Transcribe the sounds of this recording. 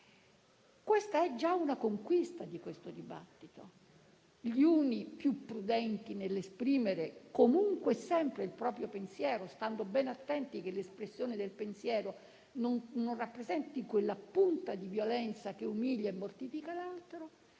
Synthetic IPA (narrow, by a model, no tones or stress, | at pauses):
kwest̪aɛd͡ʒːaunakoŋkwist̪ad̪ikwest̪od̪iba̰t̪ːit̪o | ʎiuːnipjupːɾud̪ɛnt̪inelːespɾiːmeɾekomuŋkwsɛmpɾeilpɾɔːpɾjopensjɛːɾost̪and̪obɛnat̪ːɛnt̪ikelːespɾesːjoːned̪elpensjɛːɾo | noŋnonrapːɾezɛnt̪ikwelːapunt̪ad̪ivjolɛnt̪sak̟eumiʎjaemːort̪ifikalalt̪ɾo